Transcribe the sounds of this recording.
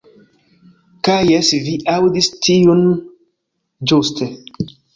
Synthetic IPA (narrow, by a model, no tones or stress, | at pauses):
kajɛsiviʔawdistʰijun | d͡ʒost̪ɛ